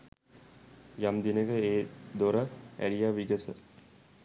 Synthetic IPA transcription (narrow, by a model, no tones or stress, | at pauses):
jamd̪inəkəeːd̪oɾəæɾijaʋiɡəsə̰